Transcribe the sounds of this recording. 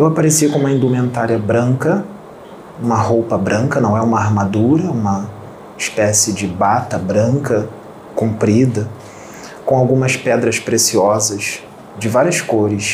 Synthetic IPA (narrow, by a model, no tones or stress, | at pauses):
ewapaɾesiɐkõũmɐĩnd̪umẽnt̪aɾiɐbɾɐ̃ŋkɐ | ũmɐɦowpɐbɾɐ̃ŋkɐnɐ̃w̃ɛũmɐaɾmad̪uɾɐũmɐ | ɪʃpɛsɪd͡ʒɪbat̪ɐbɾɐ̃ŋkɐ | kũmpɾid̪ɐ | kõawɡũmɐspɛd̪ɾɐspɾesiɔzɐʃ | d͡ʒɪvaɾiɐʃkoɾɪs